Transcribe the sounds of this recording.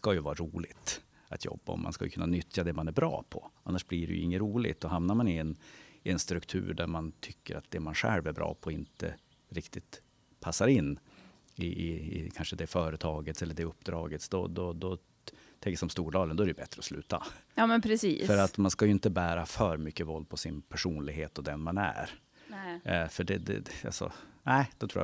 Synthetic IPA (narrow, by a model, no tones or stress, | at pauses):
skajɵvɑːɾaɾuːlɪɡt̪ | at̪ʰjɔ̰bːaɔ̰ma̰nska̰jʏ̰kʰɵnːanʏt̪ʰjad̪ɛmanæɾbɾɑ̰ːpʰɔ̰anːaʂbliɖɛ̰jɵɪ̰ŋːəɾuːlɪ̰ɡt̪ɔɦamnaɾmanɪɛnɪɛnst̪ɾɵkt̪ʰʉ̟̰ːɾɖ̪æɾmant̪ʰʏkːə̰ɾat̪̚d̪ɛmanɧɛ̰lvæɾbɾɑ̰ːpʰɔɪnt̪ə̰ | ɾɪkt̪ɪt̪ | pʰasːaɾɪnː | ɪɪ̰kʰanʂəd̪ɛfœːɾət̪ʰɑːɡət̪sɛlːəɖɛɵpːd̪ɾɑːɡət̪sd̪ɔd̪ɔd̪ɔ | t̪ʰɛŋkːəsɔmst̪uːɖɑːlənd̪ɔɛæɾɛjbɛt̪ɾəɔslʉ̟ːt̪a̰ɑːmɛnpʰɾɛsḭːfœɾat̪manskajɵɪnt̪əbæːɾafœːɾmʏkːəvɔld̪̚pʰɔsɪnpʰæʂuːnlɪɡɦeːt̪ɔd̪ɛnmanæ̰ɾ | fœɖɛd̪ɛ̰a̰lsɔ̰næɪd̪̥ɔt̪ʰɾṵːj̰